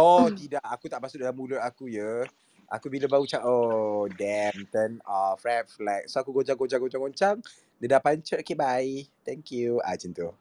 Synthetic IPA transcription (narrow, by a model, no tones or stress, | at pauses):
ot̪idaʔakut̪aʔpasut̚dalamuləakujə | ʔa̰kubilabaut͡ʃaʔodɛmt̪ənɔfɾɛt̚flɛk̚soakuɡoɲd͡ʒaŋɡoɲt͡ʃaŋɡoɲt͡ʃaŋɡoɲt͡ʃaŋ | dədapaɲt͡ʃəʔkebait̪ɛŋkjua̰t͡ʃənt̪u